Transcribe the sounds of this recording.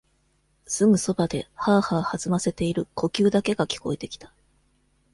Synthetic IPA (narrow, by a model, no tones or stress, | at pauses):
sɨŋɯ̟so̞bad̪e̞haːhahazɨmase̞t̪e̞iɾɯ̟ko̞kʲɨːd̪ake̞ɡakʲi̥ko̞e̞t̪e̞kʲi̥t̪ḁ